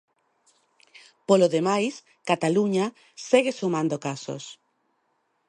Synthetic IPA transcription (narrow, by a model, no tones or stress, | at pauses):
poloðemajs | kat̪aluɲa | seɣesumãnd̪okaso̰s